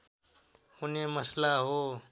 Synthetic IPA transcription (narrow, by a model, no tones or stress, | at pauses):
ʊneːməslaːɦoː